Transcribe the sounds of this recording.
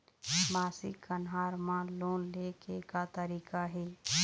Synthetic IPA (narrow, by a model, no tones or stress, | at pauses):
maːsḭkənɦaːɾmãloːnlekekat̪əɾiːkaɦeː